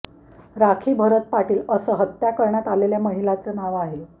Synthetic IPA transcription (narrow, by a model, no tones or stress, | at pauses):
ɾakʰiːbʱəɾət̪̚paʈiːləsəːɦət̪ːjakəɾɳjat̪aleljaməɦilat͡səːnaʋaɦe